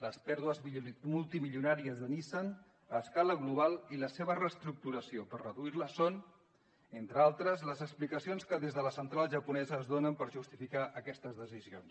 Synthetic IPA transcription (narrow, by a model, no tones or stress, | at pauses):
ləspɛɾðuəzmulˠt̪imiʎunaɾiəzðənisən | əskaləɣluβ̞alˠiləseβərəst̪ɾuk̚t̪uɾəsiopəɾrəðuiɾləson | ent̪ɾəalˠt̪ɾəzləzəksplikəsionskəðezðələsənt̪ɾalˠʒəpunɛzəːzðonəmpəɾʒust̪ifikaʔəkɛst̪əzðəsizions